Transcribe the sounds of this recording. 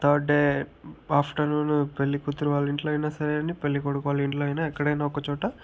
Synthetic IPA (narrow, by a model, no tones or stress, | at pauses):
t̪ʰɐːɖɖeːaːpʰʈɐnuːnupe̞lːikut̪ːuɾuʋaːliɳʈloːɐjnaːsɐɾeɐnipe̞lːikoɽukɔʋaːliɳʈloːɐjinaːɛkːɐɽɐjnaːɔkɐt͡ʃɔːʈɐ